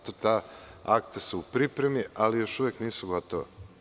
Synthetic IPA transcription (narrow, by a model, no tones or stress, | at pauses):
t̪ot̪aːakt̪aseupɾipɾemialijo̞ʃuʋjekniːsuɡot̪oʋḛ